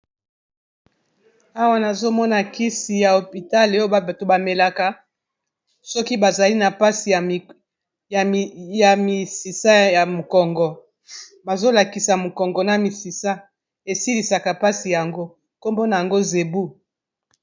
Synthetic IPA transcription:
a˦wa˦na˨zo˦mɔ˦na˨ki˦si˨ja˨o˨pi˨ta˦le˦o˦o˦ba˨ba˨to˨ba˨me˨la˨ka˨ | sɔ˦ki˦ba˨za˨li˦na˨pa˦si˨ | ja˨ja˨mi˨si˨sa˦ja˨mo˨kɔ˨ŋɡɔ˨ | ba˨zo˦la˨ki˨sa˨mo˨kɔ˨ŋɡɔ˨na˨mi˨si˨sa˦ | e˨si˦li˨sa˨ka˨pa˦si˨ja˨ŋɡo˦ | ko˦mbo˦na˨a˨ŋɡo˦ze˨bu˦

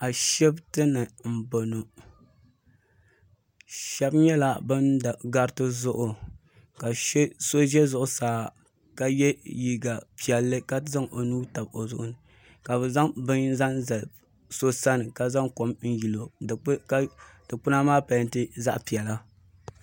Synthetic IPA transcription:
a˨ʃɛ˦btɨ˦nɨ˨m̩˨bo˨no˨ | ʃɛ˦bɲɛ˦la˨bɨ˦na˨ɡa˦ɾtɨ˦zʊ˦ʔʊ˨ | ka˨ʃso˦ʒɛ˦zʊ˨ʔʊ˦saː˨ | ka˦jɛ˦ji˨ɡa˨pi˨ɛ˨lːɨ˦ka˦za˦ŋʔo˨nuː˦ta˨bo˨zʊ̰˦ʔʊ̰˦nɨ˨ | ka˨bɨ˨za˦ŋbɨ˦nza˦ŋza˨ | so˦sa˦nɨ˨ka˨za˦ŋko˨mn̩˦ji˨lo˨˦ | d̥ɨ˨k͡pʊ˦na˦maː˦pa˨˦n˦tɨ˦za̰˦ʔpi˨ɛ˨la˦

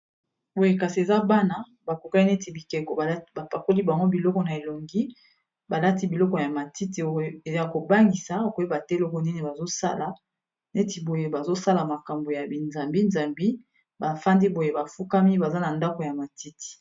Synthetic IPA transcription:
bo˨je˨ka˨si˨e˨za˦ba˦na˨ | ba˨ko˨ka˦i˦ne˦ti˨bi˨kɛ˨kɔ˨˦ba˨pa˨ko˦li˦ba˨ŋɡo˦bi˨lɔ˦kɔ˨na˨e˨lo˨ŋɡi˦ | ba˨la˦ti˦bi˨lɔ˦kɔ˨ja˨ma˨ti˦ti˨o˦˨e˨˦a˨ko˨ba˦ŋɡi˨sa˨ko˨˦i˦ba˨tɛ˦lɔ˦kɔ˨ni˦ne˨ba˨zo˦sa̰˦la˨ | ne˦ti˨bo˨je˦ba˨zo˦sa˦la˨ma˨ka˨mbo˨ja˨bi˨nza˨mbi˦nza˨mbi˦ | ba˨fa˦ndi˦bo˨je˨ba˨fu˦ka˦mi˦ba˨za˦na˨nda˦ko˨ja˨ma˨ti˦ti̥˨

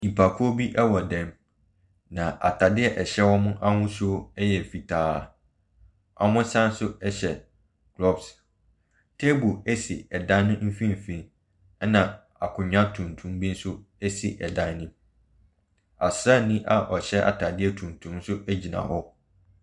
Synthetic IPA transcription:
i˨pʰa˨kʰʊ˦o˦bi˦ʔɛ˦wɔ˨dɛ̃˦m | nã˨ʔa̰˨tʰa˨dɪ˦ɛ˦ʔɛ˨ɕɛ˦wɔ˦mʊ̃˦ʔa˦hʊ̃˦sʊ˦ɛ˦jɛ˨fi˨tʰaː˦˨ | ʔa̰˨mʊ̃˦sã˦n˦sʊ˦ɛ˦ɕɛ˨ | ɡ̥lɔ˦bs | tʰɛ˦bu˨æ˦si˨ɛ˨dã˦n˦nʊ̃˦m̩˦fĩ˦m̩˨fĩ˦˨n˦ | nã˨ | a˨kʰʊ̃˨ɲᶣã˦tʰũ˨ntʰũ˨˦mbi˦n̩˦sʊ˦ | ɛ˦si˨ʔɛ˨dã˦nĩ˦ | a˨sɾa˦˨nĩ˦ʔa˨ʔɔ˨ɕɛ˦ʔa̰˨tʰa˨dɪ˦ɛ˦tʰũ˨ntʰũ˨˦m˦sʊ˦ʔæ˦d͡ʑi˨nã̰˨hɔ˦

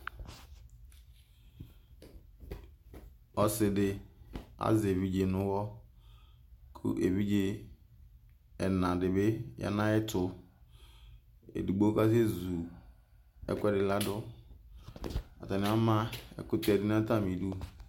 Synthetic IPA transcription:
ɔ˦sɪ˨dɪ˦a̰˦ze˨vi˦d͡ʒe˨nʊ˦wɔ˦ | kʰṵ˦ʔḛ˨vi˦d͡ʒe˦ | ɛ˨nã˨dɪ˨bɪ˦jʔa̰˦na˦ɛ˦tʰʊ˨ | ḛ˨du˨ɡ͡bo˦ka˦ze˦zu˨ | ɛ̰˦˨kʷɛ˦dɪ˨la˦dʊ˦ | a̰˨ta˨nɪ˨˦a˦ma˦ɛ̰˨kʊ˦tɛ˦˨dɪ˦n˦ta˦˨mi˨du˦

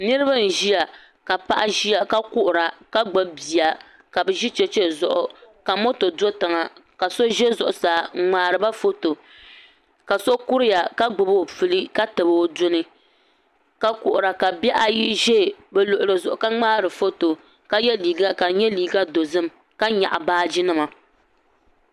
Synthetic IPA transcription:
nɨ˦ɾɨ˦βa˦n̩˨ʒi˦ja˨ | ka˨pa̰˦ʔa˦ʒi˦ja˨ka˦kʊ˦ʔʊ˨ɾa˨ka˦ɡ͡bɨ˦bbi˨a˨ | ka˨bɛ˨ʒi˦t͡ʃɛ˦t͡ʃɛ˦zʊ˨ʔʊ˨ka˨mo˦to˨do˦tɨ˨ŋa˨ka˨so˦ʒɛ˦zʊ˨ʔʊ˨saː˨˦ŋ͡maː˨ɾɨ˨ba˦fo˦to˨ | ka˨so˦ku˦ɾɪ˦ja˨ka˦ɡ͡bɨ˨bo˨fɨ˨li˦ka˦tɨ˨bɨ˨o˨dʊ˦nɨ˦ | ka˦kʊ˨ʔʊ˨ɾa˨ka˨bɛ˦ʔa˨ji˦ʒɛ˦˨bɛ˨lʊ˨ʔʊ˨ɾɨ˨zʊ˨ʔʊ˨ka˦ŋ͡maː˦ɾɨ˨fo˦to˨ | ka˦jɛ˦li˨ɡa˦ka˨ɲɛ˦liː˨ɡa˦do˨zɨ˦m | ka˦ɲa̰˨ʔa˨baː˦d͡ʒi˦nɨ˦ma˨

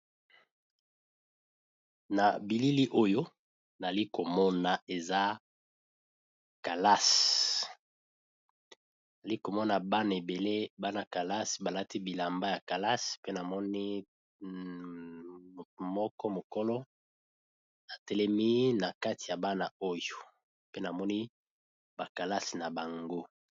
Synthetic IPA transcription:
na˨bi˨li˦li˦ʔo˦jo˦ | na˨li˦ko˨mɔ˦na˨e˨za˦ | ka˨la˦s | na˨li˦ko˨mɔ˦na˨ba˦na˨e˨be˨le˦ba˦na˨ka˨la˦sba˨la˦ti˦bi˨la˨mba˦ja˨ka˨la˦spe˦na˨mɔ˦ni˦˨ | mɔ˦kɔ˦mo˨ko˦lɔ˦ | na˨tɛ˦lɛ˦mi˦na˨ka˦ti˨ja˨ba˦na˨o˦jo˨ | pe˦na˨mɔ˦ni˦ | ba˨ka˨la˦sna˨ba˨ŋɡo˦

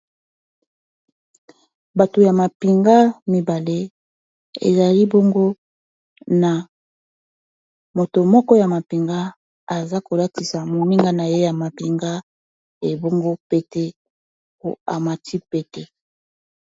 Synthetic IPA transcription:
ba˨to˨ja˨ma˨pi˨ŋɡa˦mi˨ba˨le˦ | ḛ˨za˨li˦bo˦ŋɡo˦ | na˨ | mo˨to˨mɔ˦kɔ˦ja˨ma˨pi˨ŋɡa˦ | a˨za˦ko˨la˦ti˨sa˨mo˨mi˦ŋɡa˦na˨je˦ja˨ma˨pi˨ŋɡa˦ | e˨bo˦ŋɡo˦pe˦te˦ | o̰˨a̰˨ma˨tʰi˦pe˦te˦

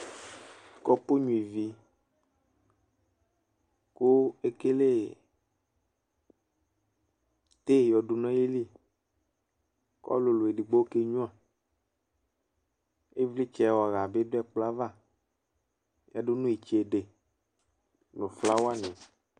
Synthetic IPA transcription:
kɔ˦po˦ɲũ˨i˨vi˨ | ku˦e˦ke˦le˦ | t̪e˦˨jɔ˨ɖu˨nɔ̃˦je˦li˦ | kɔ̰˦lo˨lo˨e˨li˨ɡ͡bo˦ke˦ɲũ˦ã˨ | e˦vli˦t͡ʃɛ˨wɔ˨ɣa˨be˦do˦ɛ˦k͡pla˦va˦˨ | ja˨ɖo˦nũ˦i˨t͡ʃe˨e˨ɖe˨ | nõ˨fla˦wo˦a˦nẽ˨

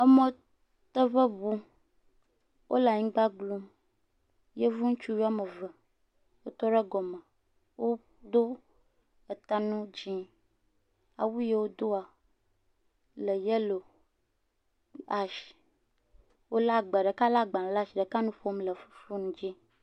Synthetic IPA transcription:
ə˦mɔ̃˦ | t̪ə˦βə˦βu˦ | wʔo̰˦la˨ɲĩ˦ɡ͡ba˦ɡlu˦m | je˦vu˦ŋũ˦t͡ʃu˦wi˦a˦mə˨və˨ | wo˦t̪ɔ˦ɖə˦ɡɔ˨mə˨ | wo˦ | d̪o˦ | ə˨t̪a˨nũ˦d͡ʑi˦ | a̰˨wu˦je˦wo˦d̪o˦a˨ | lə˨je˦lo˨ | a˨ʃi̥˨ | wo˦la˦ɡ͡bə˨ɖə˨ka˦la˦ɡ͡ba˨la˦˨ʃi˨ɖə˨ka˦nũ˦ɸo˦mlə˨fu˦fu˦nũ˦d͡ʒi˦

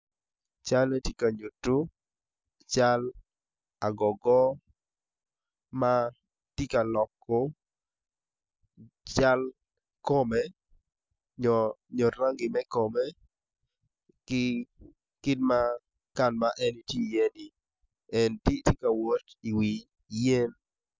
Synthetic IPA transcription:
t͡ʃa˦le˦ti˦ka˨ɲu˨tu˦ | t͡ʃa˦l | a˨ɡɔ˨ɡɔ˦ | ma˦ | ti˦ka˨lɔ˨kːɔ˦ | t͡ʃa˦l | ko˦me˦ | ɲɔ˨ɲɔ˨ɾa˦ŋɡɪ˨mɛ˦ko˨me˦ | kɪ˦ | kɪ˦dma˦ | ka˦˨nma˦ʔɛ˦ni˦ti˦˨je˦ni˨ | ɛ˨nti˦ti˦ka˨wo˦ti˨wi˨ | je˦n

